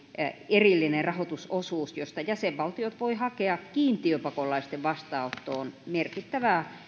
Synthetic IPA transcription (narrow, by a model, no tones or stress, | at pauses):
erilːinerɑhot̪usosuːsjost̪ɑjæseʋʋɑlt̪iot̪ʋoihɑkeɑkkiːnt̪iøpɑkolˑɑist̪eʋʋɑst̪ɑːot̪ːoːnmerkit̪ːæʋæˑ